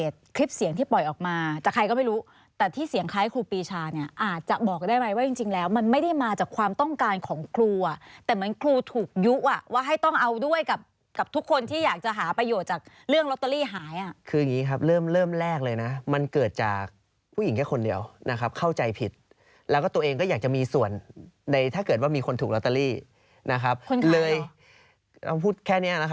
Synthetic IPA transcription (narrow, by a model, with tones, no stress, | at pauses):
eː˨˩t̪̚kʰɾi˦˥p̚si˨˩˦ŋt̪ʰiː˥˩pɔ˨˩jʔɔː˨˩k̚maː˧t͡ɕa˨˩kʰːa˧jkɔ˥˩ma˥˩jɾuː˦˥ | t̪ɛː˨˩t̪ʰiː˥˩si˩˦əŋkʰaː˦˥jkʰluː˧piː˧t͡ɕʰaː˧ni˥˩ɐʔaː˨˩t̪̚t͡ɕa˨˩ʔbɔː˨˩k̚daː˥˩jma˦˥jwaː˥˩t͡ɕi˧ŋt͡ɕi˧ŋlɛː˦˥wma˧nma˥˩jda˥˩jmaː˧t͡ɕaː˨˩kʰwaː˧mt̪ɔ˥˩ŋkaː˧nkʰɔː˩˦ŋkʰluː˧ʔa˨˩ʔt̪ɛː˨˩mɯ˩˦ənkʰluː˧t̪ʰuː˨˩k̚ju˦˥ʔʔa˨˩waː˥˩ɦa˥˩jt̪ɔ˥˩ŋʔa˧wdu˥˩əjka˨˩p̚ | ka˨˩p̚t̪ʰu˦˥kʰːo˧nt̪ʰiː˥˩jaː˨˩k̚t͡ɕa˨˩ɦaː˩˦pɾa˧joː˨˩t̪̚t͡ɕaː˨˩k̚ | ɾɯ˥˩əŋlt̪ːa˧liː˥˩ɦaː˩˦jʔa˨˩ʔkʰɯː˧ja˨˩ŋiː˦˥kʰa˦˥p̚ɾɤː˥˩mɾɤː˥˩mɾɛː˥˩k̚lɤː˧jna˦˥ma˧nkɤː˨˩t̪̚t͡ɕaː˨˩k̚ | pʰuː˥˩ji˩˦ŋkʰɛː˥˩ko˧ndi˧əwnʔa˦˥kʰa˦˥p̚kʰa˥˩wt͡ɕa˧jpʰi˨˩t̪̚ | lɛː˦˥wkɔ˥˩t̪u˧əʔeː˧ŋkɔː˥˩jaː˨˩k̚t͡ɕa˨˩miː˧su˨˩ənda˧jt̪ʰaː˥˩kɤː˨˩t̪̚waː˥˩miː˧kʰo˧nt̪ʰuː˨˩klɔ˦˥t̪ːa˧liː˥˩ | na˦˥kʰa˦˥p̚kʰo˧nklɤː˧j | a̰˧˩pʰuː˥˩t̪̚kʰɛː˥˩ni˦˥ɐna˦˥kʰa˦˥